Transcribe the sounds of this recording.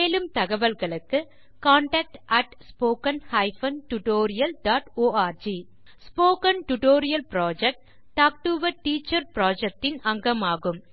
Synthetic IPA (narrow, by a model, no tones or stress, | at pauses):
meːlɯmt̪ɐɣɐʋɐlɣɐɭɯkːɯ | kaːɳʈɐːk̚ʈʔɐʈspoːkɐnhɐɪfɐnʈʊʈoːɾɪjɐlɖaːʈoːaːɾd͡ʒiː | spoːkɐnʈʊʈoːɾɪjɐlpɾaːd͡ʒɛk̚ʈː | aːk̚ʈuʋɐʈiːt͡ʃːɐɾpɾaːd͡ʒɛk̚ʈɪnɐŋɡɐmaːɣɯm